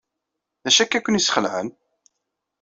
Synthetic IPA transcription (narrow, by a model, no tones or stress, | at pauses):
ðæʃækːækʷːənjisχəlʕə̰n